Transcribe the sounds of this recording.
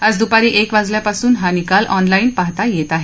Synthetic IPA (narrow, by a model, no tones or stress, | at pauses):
əd͡zd̪upaɾiːʔekʋad͡zljapasuːnɦanikalʔɔnlainpaɦt̪ajet̪aɦe